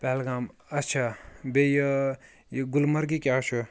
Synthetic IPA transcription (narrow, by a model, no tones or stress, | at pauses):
pɛːlɡaːmɐtːt͡ʃʰabejə | jɡulmɐɾɡikʲjaːt͡ʃʰu